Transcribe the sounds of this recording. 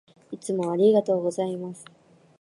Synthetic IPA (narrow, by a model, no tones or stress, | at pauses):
it͡sɨmo̞aɾʲiɡat̪o̞ːɡo̞zaimasɨ̥